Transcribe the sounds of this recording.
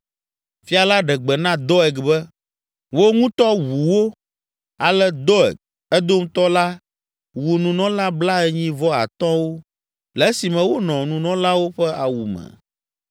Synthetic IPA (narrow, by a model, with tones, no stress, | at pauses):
fi˦a˨la˦ɖɛ˨ɡ͡bɛ˨nã˦d̪ɔ˦ɛ˨ɡbɛ˦ | wo˦ŋũ˦t̪ɔ˦wu˨wo˦ | a˨lɛ˦d̪ɔ˦ɛ̰˨k̚ | ɛ˦d̪o˦m̩˦t̪ɔ˦la˦ | wu˨nũ˨nɔ̃˦la˦bla˦ɛ˦ɲĩ˦vɔ˦a̰˨t̪ɔ̃˦wo˦ | lɛ˨˦si˨mɛ̃˨wo˦nɔ̃˨nũ˨nɔ̃˦la˦wo˦ɸɛ˦a˨wu˨mɛ̰̃˨